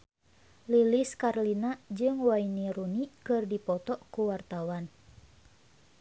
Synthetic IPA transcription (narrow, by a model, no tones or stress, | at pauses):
liliskarlinad͡ʒɨŋwainiɾunikɨrdipɔt̪ɔʔkuwart̪awan